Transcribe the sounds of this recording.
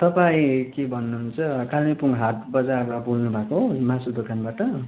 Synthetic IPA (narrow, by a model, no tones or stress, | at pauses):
t̪ʌpaĩkebʱʌnːuɦunt͡sʰʌkalmipuŋɦat̪̚bʌd͡zarmabulnubʱakoɦomãsud̪okanbaʈʌ